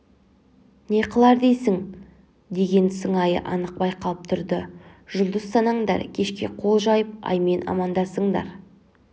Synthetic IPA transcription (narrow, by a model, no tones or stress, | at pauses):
ne̞qʰəlˠɑɾd̪ejsɪŋ | d̪e̞ɡʲe̞nsəɴɑjə̰ʔɑnəq̚bɑjqʰɑlˠəp̚t̪ʰʊɾd̪əʒʊlˠd̪əsːɑnɑɴd̪ɑ̰ɾkʲʰe̞ʃkʲe̞̰qʰo̞lˠʒɑjəp̚ɑ̰jme̞nʔɑ̰mɑnd̪ɑsəɴd̪ɑ̰ɾ